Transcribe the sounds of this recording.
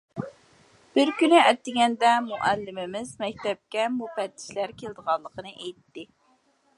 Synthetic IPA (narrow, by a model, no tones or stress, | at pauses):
b̥ɪɾkʲynɪæɾt̪ːɪɡʲɛnd̪ɛmuʔælːɪmɪmɪzmɛk̚ʲt̪ɛp̚kʲɛmupɛt̪ːɪ̥ʃlæɾkʲʰeld̪əʁɑllːˠəqʰənɨʔɛjt̪ːɪ